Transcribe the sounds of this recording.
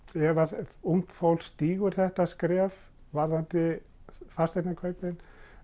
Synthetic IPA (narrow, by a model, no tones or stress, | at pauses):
ɛvaum̥t̪fowlst̪iːɣʏɾ̥θɛht̪askɾɛːv | vaɾðant̪ɪ | fast̪ɛt̪nakʰœɥpɪn